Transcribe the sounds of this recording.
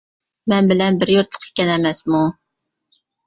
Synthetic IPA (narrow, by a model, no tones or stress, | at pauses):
mɛnbɪlɛnbɪɾjuɾt̪lˠə̥qʰe̥kʲɛnɛmɛsmu